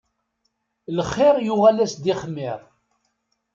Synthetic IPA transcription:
ləχːɪɾˤjʊʁælæsd̪iχəmːɪɾˤ

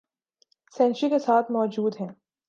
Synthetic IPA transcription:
sɛ̃ːnʃikesaːt̪ʰmɔːd͡ʒuːd̪ɦɛ̃ː

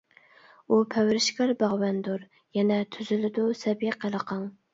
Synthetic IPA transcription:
upʰæwɾɪʃkʲɛɾbɑʁwɛnd̪uɾ | jɛnɛt̪ʰyzɪlɪd̪ʊsɛbjɛqʰəlˠəqʰɑŋ

